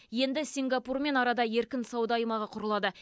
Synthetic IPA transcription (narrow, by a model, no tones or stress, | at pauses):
je̞nd̪ɪsʲiŋɡɑpurme̞nɑɾɑd̪ɑje̞ɾkʲɪnsɑwd̪ɑjmɑʁɑqʰʊɾəlˠɑd̪ə